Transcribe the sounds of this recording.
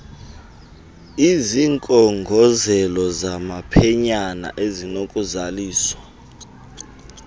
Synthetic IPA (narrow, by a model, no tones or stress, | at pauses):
iziŋkʼɔŋɡʱɔzɛlɔzamapʰɛɲana̰ʔezinokʼuzaliːswa